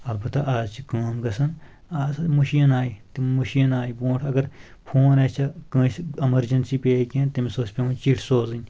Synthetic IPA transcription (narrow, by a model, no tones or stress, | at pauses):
ɐlbɐt̪ɐʔaːzt͡ʃʰikaːmɡɐsɐn | aːzmuʃijɐnaːit̪imuʃijɐnaːibõːʈʰɐɡɐɾ | pʰoːnet͡ʃʰɐkɐ̃ːsɐmɐɾd͡ʒɐnsiːpeːkʲẽnt̪ɐmisoːsʲpʲeũt͡ʃiʈʰsoːzɨnʲ